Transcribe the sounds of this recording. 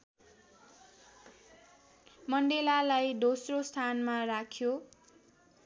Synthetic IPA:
mʌɳɖelalajd̪osrost̪ʰanmarakʰjo

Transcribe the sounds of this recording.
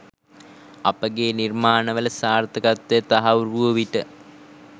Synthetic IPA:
ɐpəɡeːnirmaːnɐʋələsaːrt̪əɡɐt̪ːet̪aɦɐʋuruoʋiʈə

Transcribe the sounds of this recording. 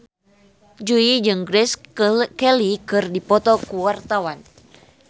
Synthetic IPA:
d͡ʒuid͡ʒɨŋɡɾɛskɛlikɨrdipɔt̪ɔkuwart̪awan

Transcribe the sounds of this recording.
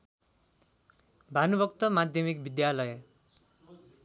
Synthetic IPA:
bʱanubʱʌkt̪ʌmad̪ʱjʌmikbid̪jalʌjʌ

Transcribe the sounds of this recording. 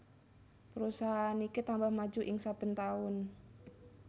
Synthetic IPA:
pəɾusaanikit̪ambahmad͡ʒuʔɪŋsab̥ə̤nt̪aʊn

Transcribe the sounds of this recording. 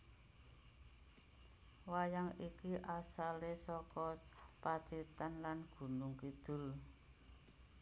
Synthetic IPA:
wajaŋikiʔasalesɔkɔpat͡ʃit̪anlanɡ̥ṳnʊŋkid̪̥ʊ̤l

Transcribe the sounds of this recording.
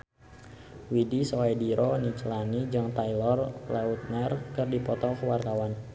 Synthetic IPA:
widisoadiɾʔɔnit͡ʃəlanid͡ʒaŋt̪ailɔrlaut̪̚nərkɨrdipɔt̪ɔkəwart̪awan

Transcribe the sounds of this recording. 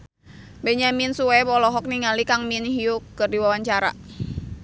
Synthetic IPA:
beɲaminsuwɛbɔlɔɦɔk̚niŋalikaŋminɦiukːɨrdiwawaɲt͡ʃaɾa̰

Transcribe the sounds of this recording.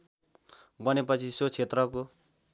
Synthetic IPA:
bʌnepʌt͡sʰisot͡sʰet̪rʌko

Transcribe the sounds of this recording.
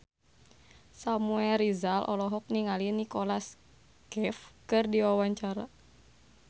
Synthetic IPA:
samuɛlɾizalʔɔ̰lɔɦɔk̚niŋalinikɔlas | kɛfkɨrdiwawaɲt͡ʃaɾa̰

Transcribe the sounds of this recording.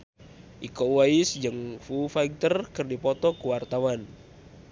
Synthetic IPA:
ʔikɔwaisd͡ʒəŋfufaik̚t̪ərkərdipɔt̪ɔkuwart̪awan

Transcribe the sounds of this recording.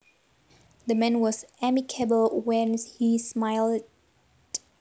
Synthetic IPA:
ðəmɛ̃nwɔzæmikʰəbəlˠwɛ̃nhismaɪl | d̥

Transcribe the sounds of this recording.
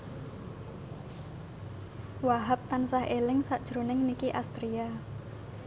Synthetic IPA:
waɦap̚t̪ansahʔelɪŋsaʔd̥ʒ̥ɾonɪŋnikiʔast̪ɾia

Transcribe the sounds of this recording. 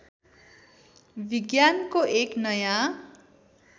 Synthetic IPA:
biɡjankoʔeknʌjã

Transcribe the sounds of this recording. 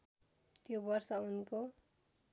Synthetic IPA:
t̪jobʌrsʌunko

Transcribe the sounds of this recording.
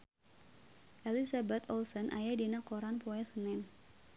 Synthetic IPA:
ʔɛlisabɛt̪ɔlsɔnʔa̰jadinakɔɾanpɔɛsənɛn

